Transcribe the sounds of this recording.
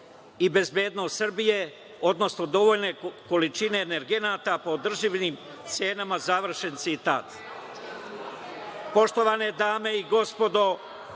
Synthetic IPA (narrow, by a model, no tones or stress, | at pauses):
ibe̞zbe̞ːd̪nost̪sr̩bije̞ | o̞d̪no̞snod̪o̞ʋoːʎne̞ko̞lit͡ʃine̞ːneɾɡe̞naːt̪apo̞ːd̪r̩ʒiʋnim | t̪se̞ːnamazaʋr̩ʃe̞nt̪sit̪a̰ːt̪ | po̞ʃt̪o̞ʋane̞d̪aːme̞iɡo̞spo̞d̪o̞